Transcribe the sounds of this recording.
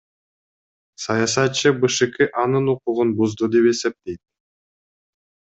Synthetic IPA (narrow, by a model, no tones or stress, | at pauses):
sɑjɑs̬ɑt̪̚t͡ʃːɯbɯʃɯkiʔɑnɯnuquʁunbuzd̪ud̪e̞pe̞se̞p̚t̪e̞jt̪̚